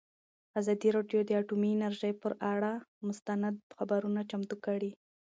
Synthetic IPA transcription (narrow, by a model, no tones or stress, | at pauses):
azɑd̪iɾɑɖjod̪əaʈumiɪnaɾʒəjpəɾaɽamʊst̪anad̪̚xabaɾunat͡ʃamt̪ukəɽi